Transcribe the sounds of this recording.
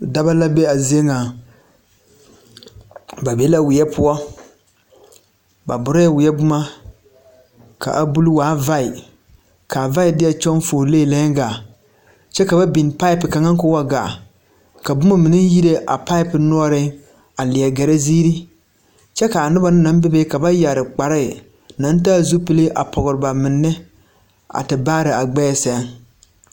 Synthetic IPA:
da˦ba˦la˦be˦a˨zi˦e˦ŋa˨ | ba˨be˦la˦wɪ˨jɛ˦pʰʊ˦ɔ˦ | ba̰˨bʊ˨˦ɾa˦ɛ˦wɪ˨ɛ˦bʊ˦ma˦ | ka̰˨ʔa˨bu˦lwaː˨˦va˦ɪ˨ | ka˨va˦ɪ˨dɪ˦jɛ˨t͡ʃɔ˦n˦foː˨le˦˨lɛ˦ɡa˨ | t͡ʃɛ˦ka˨ba˦bi˨n˨pa˦ɪ˦pɪ˨ka˨ŋa˦ŋ˦kʊ˦wa˦ɡa̰ː˨ | ka˨bʊ˦ma˦mɪ˨nɪ˦ji˦ɾe˦ʔa̰˨pa˦ɪ˦pɪ˨nɔ˦ɔ˦ɾɪ˦ | a˨lɪ˨ɛ˨ɡɛ˨ɾe˦ziː˦ɾi˦ | t͡ʃɛ˦ka˨a˨nɪ˦ba˨nɪ˦na˨˦m˦bɪ˦be˦ka˨ba˦ja˨ɾɪ˨k͡pa˨ɾɪ˦˨ | na˨˦n˦taː˦zu˦pɨ˦le˦ʔa̰˨pɔ˨ɣʊ˨ɾɨ˨ba˨mɪ˨nːɪ˦ | a̰˨tɪ˨baː˦ɾɪ˨a˨ɡ͡bɛː˦˨sɛ˦ŋ

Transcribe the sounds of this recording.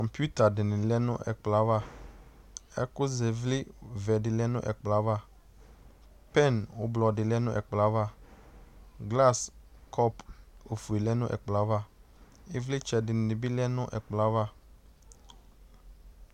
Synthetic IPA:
kɔ˨mpju˦t̪a˨dɪ˨nɪ̃˨lɛ˦nʊ̰̃˦ʔɛ̰˨k͡pla˨˦va˦ | ɛ̰˦kʊ˦zɛ˨vlɪ˦vɛ˨dɪ˨lɛ˦nʊ̰̃˦ʔɛ̰˨k͡pla˨˦va˦˨ | pɛ˦˨nwʊ˦blɔ˨dɪ˨lɛ˦nʊ̃˦ʔɛ˨k͡pla˨˦va˦˨ | ɡla˦˨skʰɔ˦po˨fu˨i˨lɛ˦nʊ̃˦ʔɛ̰˨k͡pla˨˦va˦˨ | ɪ˦vlɪ˦t͡ʃɛ˨dɪ˨nɪ̃˨nɪ˨bi˦lɛ˦nʊ̃˦ʔɛ̰˨k͡pla˦va˦˨

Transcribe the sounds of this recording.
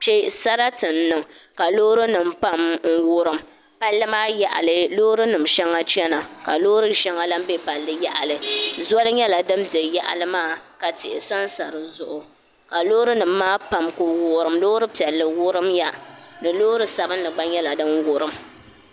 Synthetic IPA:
pe˦sa˦ɾa˦tɨ˨n̩ː˨˦ɨ˨ŋka˨loː˦ɾɨ˦nɨ˨mpa˦mŋ̩˦wʊ˦ɾɨ˨m | pa˦lːɨ˦maː˦ja˨ʔa̰˨lɨ˨lo˦ɾɨ˦nɨ˨mʃɛ˦ŋa˦t͡ʃɛ˦na˨ka˨loː˦ɾɨ˦ʃɛ˦ŋa˦la˦m˦be˦pa˨lːɨ˦ja˦ʔa˨lɨ˨za˦lɨ˦ɲɛ˦la˨dɨ˦m˦bɛ˨ja˦ʔa̰˦˨lɨ˦maː˦˨ka˨tɪ˨ʔɪ˨sa˦nsa˨ɾɨ˨zʊ˨ʔʊ˨ | ka˨lo˦ɾɨ˦nɨ˨mːaː˦pa˨mkʊ˨wʊ˦˨˦ɾɨ˨mlo˦ɾɨ˦pi˨ɛ˨lːɨ˨wʊ˦ɾɨ˦mja˦nɨ˨lo˦ɾɨ˦sa˨bɨ˦n˦nɨ˨ɡ͡ba˦ɲɛ˦la˨dɨ˦mwʊ˦ɾɨ˨m

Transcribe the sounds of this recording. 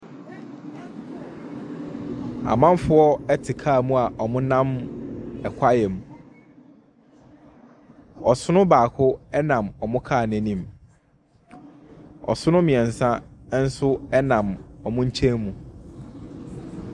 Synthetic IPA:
a̰˨mã˦mfʊ˦ɔ˦ɛ˦tʰɪ˨kʰaː˦˨mũ˦a˨ʔɔ˨mʊ̃˦nã˦m | ɛ˨kʷʰa˦jɛ˨m˨ | ɔ˨sʊ˦nʊ̃˦baː˨kʰʊ˦ɛ˦nã˨mɔ˨mʊ̃˦kʰaː˦˨næ̃˨nĩ˨m | ɔ̰˨sʊ˦nʊ̃˦mĩ˨ɛ˨n̩˨sã˦n̩˦sʊ˦ɛ˦nã˨mɔ˨mʊ̃˦ɲ̩˦t͡ɕʰẽ˦nmũ˨

